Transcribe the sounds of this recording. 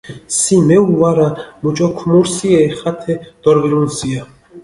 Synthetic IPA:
simɛuvaɾamut͡ʃʼɔkʰumuɾsiɛːχat̪ʰɛd̪̥ɔɾviɾunsia

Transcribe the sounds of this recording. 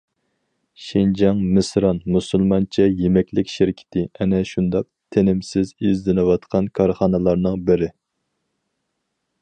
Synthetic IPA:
ʃind͡ʒɑŋmɨsɾɑnmusɨlˠmɑnt͡ʃʰɛjemɛkʲlɪkʲʃɪɾɪkʲʰɪ̥t̪ʰɪɛnɛʃund̪ɑq̚t̪ʰenɪmsɪzizd̪ɪnɨwɑt̪qʰɑnkʰɑɾχɑnɨlˠɑɾnɨŋbɪɾɪ

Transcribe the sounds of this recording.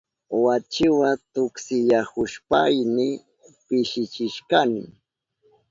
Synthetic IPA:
wat͡ʃɪwat̪ʊksɪʎahʊʃpajnɪ | pɪʃɪt͡ʃɪʃkanɪ

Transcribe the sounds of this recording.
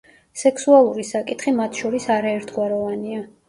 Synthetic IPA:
sɛksualˠuɾisakʼit̪ʰχimat̪ʰʃɔɾisaɾaɛɾt̪ʰɡwaɾɔvania

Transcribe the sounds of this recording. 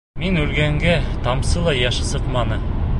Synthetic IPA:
minʉlɡæŋɡæt̪ɑmsɤ̆lˠɑjæʃɤ̆sɤqmɑnɤ

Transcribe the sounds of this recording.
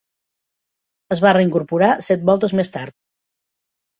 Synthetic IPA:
əzβareiŋkuɾpuɾasɛt̪̚bɔlˠt̪əzmest̪aɾt̪̚

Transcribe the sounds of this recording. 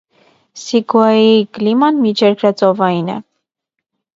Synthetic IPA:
sikɑjiklimɑnmit͡ʃʰɛɾkʰɾɑt͡sɔvɑjinɛ̰

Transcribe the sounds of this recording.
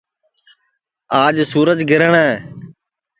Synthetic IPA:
aːd͡ʒsuːɾəd͡ʒɡʱɪɾəɳɛː

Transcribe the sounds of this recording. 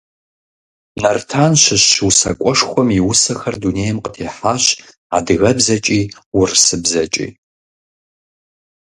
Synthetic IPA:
nɐrtʰaːnɕɪɕːɨwsɐ̰kʷʼɔʂxʷɔmiwʊsɐxɐrduneːjɛmqətʰeːħaːɕ | a̰dɨɣɐbzɐt͡ʃʼiːwʊrsɨbzɐt͡ʃʼḭː

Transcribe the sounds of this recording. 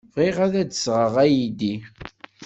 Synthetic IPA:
vʁiʁæðæd̪əsʁəʁæjid̪i

